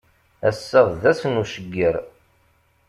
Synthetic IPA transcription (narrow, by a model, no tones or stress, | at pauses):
æsːəʁˤðæsənuʃəɡːəɾ